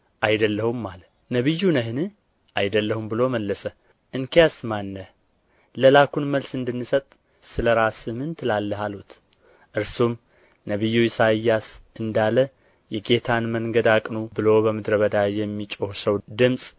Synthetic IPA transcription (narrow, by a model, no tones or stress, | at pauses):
ʔajd̪əlːəhumːalə | nəβɨjːunəɦɨnɨ | ʔajd̪əlːəhumbɨlo̞məlːəsə | ʔɨŋkejasmanːə | ləlakunməlsɨnd̪ɨnːɨsət̪ʼ | sɨləɾasɨmɨnt̪lalːəɦalut̪ | ʔɨɾsum | nəβɨjːuisajːasʔɨnd̪alə | jɛɡe̞t̪ʰanməŋɡəd̪akʼnubɨlo̞bəmɨd̪ɾəβəd̪ajɛmːit͡ʃʼohsəwd̪ɨmsʼ